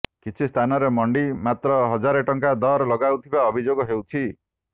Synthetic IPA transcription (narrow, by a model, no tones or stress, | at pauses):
kit͡ʃʰist̪ʰanɔɾemɔɳɖimat̪ɾɔɦɔd͡ʒaɾeʈɔŋkad̪ɔɾlɔɡawt̪ʰibaɔbʱid͡ʒoɡɔɦewt͡ʃʰi